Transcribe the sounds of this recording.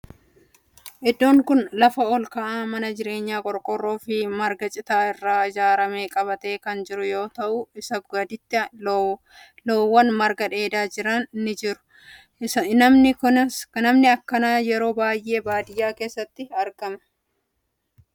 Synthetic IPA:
ʔɛd̪ːo̞ːŋkʊnlɐfɐɔlkɐʔaːmɐnɐd͡ʒɪɾe̞ːɲːaːkʼɔɾkʼɔrːo̞ːfɪmɐɾɡɐt͡ʃʼɪt̪aːɪrːaːɪd͡ʒaːɾɐme̞ːkʼɐβɐt̪eːkɐnd͡ʒɪɾʊjo̞ːt̪ɐʔʊɪsɐb̚ɡɐd̪ɪt̪ːɪ | loːwːɐnmɐɾɡɐᶑe̞ːd̪aːd͡ʒɪɾɐnːɪd͡ʒɪɾʊ̥ | nɐmnɪkʊnɐsnɐmnɪɐkːɐnaːjɛɾo̞ːbaːjʔe̞ːbaːd̪ɪjaːke̞ːsːɐt̪ːɪɐɾɡɐmɐ̥

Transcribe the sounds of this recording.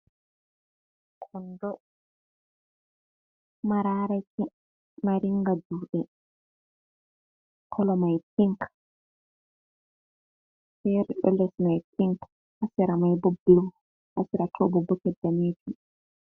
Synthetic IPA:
kʰɔndɔ | maɾaɾai | maɾiŋɡaduːɗɛ | kʰɔlɔmajpiŋk | fɛɾɗɔ̰lɛsmajpiŋk | ʔasiɾamajbɔbluw | ʔasiɾatʰɔbɔbɔkɛdːamid͡ʒu

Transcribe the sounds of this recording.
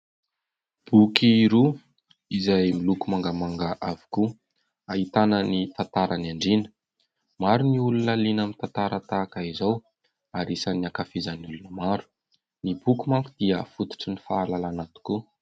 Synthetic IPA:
b̥ukiɾu | izajmilukumaŋɡamaŋɡaʔavi̥ku | aɦit̪anənit̪at̪aɾanaɳɖ͡ʐinə̥ | maɾuniulunəlinamit̪ant̪aɾat̪akaizaw | aɾisaniakafizaniulunəmaɾu̥ | nibukumakud̪̥iəfut̪u̥ʈ͡ʂinifaːlalanat̪u̥ku

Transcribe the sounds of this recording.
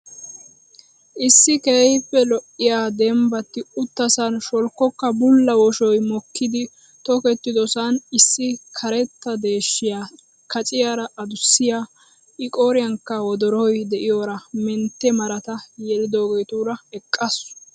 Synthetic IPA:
ʔɪsːɪkejpːɛlɔʔːɪjaːd̪ɛmbɐt̪ːɪʊt̪ːɐsɐnʃɔlkːɔkːɐbʊlːɐwɔʃɔjmɔkʰːɪd̪ɪ | t̪ɔkɛt̪ːɪd̪ɔsɐnɪsːɪkʰɐɾɛt̪ːɐd̪e̞ːʃːɪjaː | kʰɐt͡sʼɪjaːɾɐʔɐd̪ʊsːɪjaː | ʔɪkʼoːɾɪjɐŋkːɐwɔd̪ɔɾɔjd̪ɛʔɪjoːɾɐmɛnt̪ːɛmɐɾɐt̪ɐjɛlɪd̪o̞ːɡeːt̪uːɾɐɛkʼːɐsʊ̥

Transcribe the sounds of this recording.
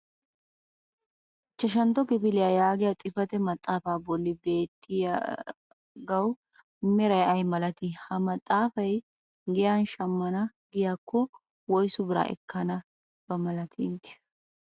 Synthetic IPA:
t͡ʃːɐʃ̬ɐnt̪ɔkɪpɪlɪjaːjaːɡɪjat̪ʼɪfɐt̪ɛmɐt̪ʼːaːfaːbɔlːɪbe̞ːt̪ːɪja | ɡɐw | mɛɾɐjɐjmɐlɐt̪ihɐmɐt̪ʼːaːfɐj | ɡɪjaːnʃɐmːɐnɐ | ɡɪjaːkːɔ | wɔjsʊbɪɾa̰ːʔɛ̰kːɐnɐ | b̥ɐmɐlɐt̪ʰint̪ɪ̥

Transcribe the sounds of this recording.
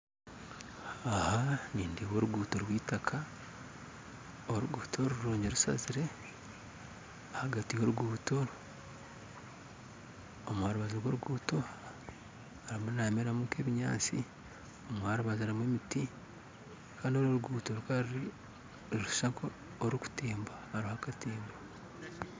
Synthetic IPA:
ahaniːndiwoːɾuɡuːtoɾwiːtakʰa | oɾuɡuːtʰoɾuɾoːɲɟeɾusa̰ziɾe̞ | ahaɡatijo̞ɾuɡuːtoɾ | omuhaɾuβazoɡwo̞ɾuɡuːto | aɾimunameɾamuːke̞ːβiɲa̰ːt͡si | omuhaɾuβazaɾimwemiti | kaːndioɾoɾuɡuːtoɾukaɾɾi | ɾuʃaŋko | oɾuku̥teːmbahaɾihakateːmba

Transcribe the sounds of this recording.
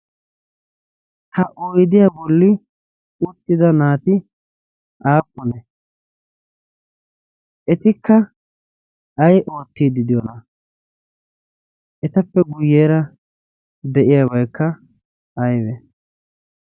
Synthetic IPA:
hɐʔojd̪ɪjabɔlːɪ | ʊt̪ːɪd̪ɐnaːt̪ɪ | ʔaːpʼːʊnɛ | ʔɛt̪ɪkːɐ | ɐjʔo̞ːt̪ːiːd̪ɪd̪ɪjɔnɐ | ʔɛt̪ɐpːɛɡʊjːeːɾɐ | d̪ɛʔɪjaːbɐjkːɐ | ʔɐjwɛ

